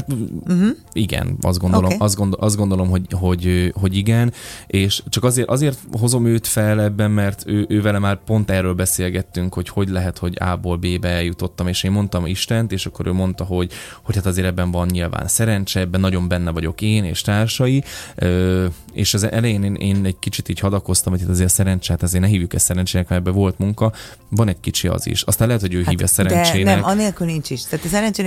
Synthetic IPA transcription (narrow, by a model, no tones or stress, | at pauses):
hat̪ | iɡɛ̰nɒ̰zd̪ɡondolomɒzd̪ɡond̪oʔɒzd̪ɡo̞nd̪o̞lo̞mɦo̞ɟɦo̞ɟøɦo̞ɟiɡɛnʔeːʃt͡ʃɒkɒzeːɾʔɒzeːrt̪ɦo̞zo̞møːt̪fɛlɛbːɛmːɛrt̪ʰøːʔøːvɛlɛmaːrpo̞nt̪ɛrːøːlbɛseːlɡɛt̪ːyŋkho̞cho̞ɟlɛɦɛt̪ho̞ɟa̰ːboːlbeːbɛɛljut̪o̞t̪ːɒmeːʃeːmːo̞nt̪ɒmiʃt̪ɛnt̪eːʃɒkːo̞ɾøːmo̞nt̪ɒɦo̞ɟ | hochat̪ɒzeːɾɛbːɛɱvɒnɲilva̰ːnsɛɾɛnt͡ʃɛɛbːɛnɒɟo̞mbɛnːɛvɒɟo̞keːnḛːʃt̪aːrʃɒjiøː | ḛːʃɛzʔɛlɛjeːneːnʔeːnɛɟkit͡ʃit̪iːchɒd̪ɒko̞st̪ɒmɦocʰat̪zeːɾsɛɾɛnt͡ʃɛhat̪ɒzeːrnɛɦiːvjukɛsɛɾɛnt͡ʃeːnɛkmɛɛbːɛvo̞lt̪muŋkɒ | vɒnɛɟ̚kit͡ʃiɒ̰zḭʃɒst̪aːnlɛɦɛt̪hoɟøːɦiːvjɛ̰sɛɾɛnt͡ʃeːnɛɒneːlkylnint͡ʃiʃt̪ɛːt̪ɛsɛɾɛnt͡ʃeː